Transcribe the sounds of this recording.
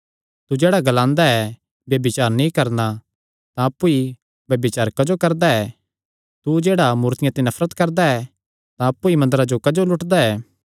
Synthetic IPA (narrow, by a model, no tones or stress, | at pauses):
t̪ud͡ʒeːɽaɡɐlãːnd̪aɛ | bjɐbɪt͡ʃaːɾnĩkɐɾna | t̪ãɐpːui | bjɐbɪt͡ʃaːɾkɐd͡ʒokɐɾd̪aɛ | t̪ud͡ʒeːɽamuːɾt̪ɪjãt̪ĩnɐfʰɾət̪kɐɾd̪aɛ | t̪ãɐpːuimɐnd̪əɾad͡ʒokɐd͡ʒolʊʈd̪aɛː